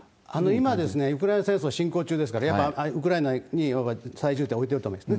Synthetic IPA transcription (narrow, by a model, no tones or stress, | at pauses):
ano̞imad̪e̞sɨne̞ɯ̟kɯ̟ɾaenasẽsoaɕĩŋko̞ːt͡ɕɨːd̪e̞sɨ̥kaɾajapːaɯk̬ɯɾaenaɲ̟iapːasaiʑɨːt̪ːeo̞it̪eɾɯt̪omõd̪̥sne